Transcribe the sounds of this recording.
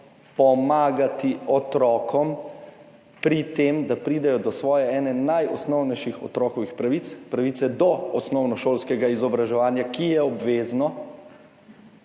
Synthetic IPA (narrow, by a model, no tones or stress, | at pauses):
pɔmaːɡat̪iɔt̪ɾɔkɔm | pɾit̪eːmd̪apɾiːd̪ɛjɔd̪ɔsʋɔːjɛɛːnɛnajɔsnɔwnɛjʃixɔ̰t̪ɾɔːkɔʋixpɾaʋiːt̪spɾaʋiːt̪sɛd̪ɔɔsnɔwnɔʃoːlskɛɡaizɔbɾaʒɛʋaːnjakijɛɔbʋeːznɔ